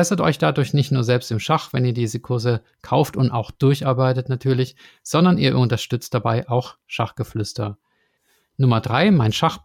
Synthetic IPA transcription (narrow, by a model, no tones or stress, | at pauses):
ɔʏsɐtʔɔ̰ʏçd̥adʊɐçnɪçtnuːɐzɛlpstɪmʃaχv̥ɛniːɐdiːzəkʰʊɐzə | kʰaʊftʊnta̰ʊxd̥ʊɐçʔaɐbaɪtətnatʰyːɐlɪç | z̥ɔndɐnʔiːɐʔʊntɐʃtʏt͡std̥abaɪʔaʊxʃa̰χɡ̥əflʏstɐ | nʊmɐdʁaɪmaɪnʃaχ